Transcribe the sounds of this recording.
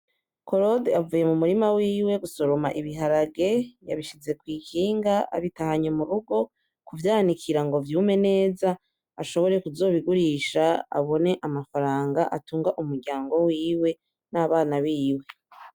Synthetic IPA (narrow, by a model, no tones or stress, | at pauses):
ko̞ɾodavuːje̞mumuɾimawiːwe̞ɡuso̞ɾomaʔiβiɦaɾaɡe̞jaβiʃize̞kwiːkʰiːŋɡaa̰βitahaɲomuɾuɡo̞ | kuvjaːanikʰiɾaŋɡo̞vjuːme̞ne̞ːza | aʃo̞βo̞ɾe̞kuzo̞ːβiɡuɾiʃaa̰βo̞ne̞ʔamafaɾaːŋɡaʔatuːŋɡaʔumuɾɟaːŋɡo̞wiːwe̞ | naːβaːnaβiːwe̞